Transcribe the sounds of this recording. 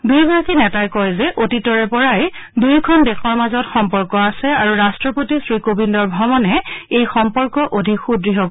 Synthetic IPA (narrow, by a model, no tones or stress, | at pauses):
dujbɔɹakinɛtajkɔjzɛʔotitɔɹɛpɔɹajdujkʰɔndɛkʰɔɹmazɔtxɔmpɔɹkɔasɛaɹuɹastɹɔpotisɹikobindɔɹbʱɔmɔnɛejxɔmpɔɹkɔʔodʱikxudɹiɦɔ